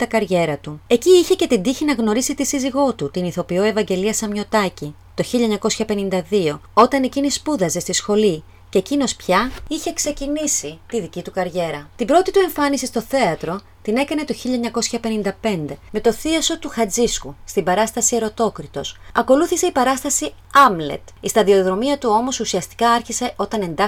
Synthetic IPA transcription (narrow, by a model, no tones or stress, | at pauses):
t̪ɐkɐɾʝe̞ɾɐt̪ue̞ciːçe̞ce̞t̪ind̪içinɐɣno̞ɾisit̪isiziɣo̞t̪ut̪iniθo̞pio̞e̞vɐɲɟe̞liɐsɐmɲo̞t̪ɐci | t̪o̞çiʎɐeɲɐko̞sçɐpe̞nind̪ɐðio̞o̞t̪ɐne̞cinispuðɐze̞st̪isxo̞li | ceecino̞spçɐiçe̞kse̞cinisit̪iðicit̪ukɐɾʝe̞ɾɐt̪ibɾo̞t̪it̪ue̞ɱfɐnisist̪o̞θe̞ɐt̪ɾo̞ | t̪ine̞kɐne̞t̪o̞çiʎɐɲɐko̞sçɐpe̞nind̪ɐpe̞nd̪e̞me̞t̪o̞θiɐso̞t̪uxɐd͡ziskust̪ibɐɾɐst̪ɐsie̞ɾo̞t̪o̞kɾit̪o̞̰sɐko̞luθise̞ipɐɾɐst̪ɐsi | ɐmle̞̰t̪ist̪ɐðio̞ðɾo̞miɐt̪uo̞mo̞susiɐst̪i̥kɐɐɾçise̞ʔo̞t̪ɐne̞nd̪ɐ